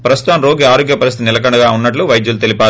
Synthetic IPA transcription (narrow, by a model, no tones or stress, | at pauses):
pɾɐst̪u̥t̪ɐmɾoːɡiaːɾoːɡjɐpɐɾist̪it̪inɪlɐk̬ɐɳɐɡaːunːɐʈ̬luʋɐjd̪julut̪e̞lipaː